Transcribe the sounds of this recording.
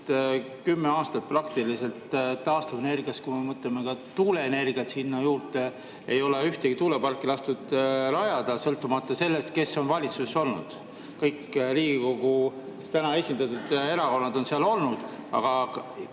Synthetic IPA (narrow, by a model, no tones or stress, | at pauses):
t̪ | kymːeɑːst̪ɑt̪̚prɑkt̪ilise̞lt̪t̪ːɑːst̪uvene̞rɡiɑskumemɤt̪leme̞kɑt̪uːle̞ene̞rɡ̥iɑt̪sinːɑjuːrt̪e | ejo̞leyht̪e̞ɡ̥it̪uːlepɑrkːˑilɑst̪ud̪̥lɑjɑd̪̥ɑsɤlt̪ːˑumɑt̪ːˑɑse̞lːe̞st̪̚ke̞so̞nvɑlʲit̪suseso̞lnṵd̪̥ | kɤjkːɾiːɡ̥iko̞ɡ̥u | t̪ænɑe̞sʲind̪ɑt̪ːˑud̪̥e̞ɾɑko̞nːɑd̪̥o̞nseɑlo̞lnud̪̥ɑ̰ɡ̥ɑ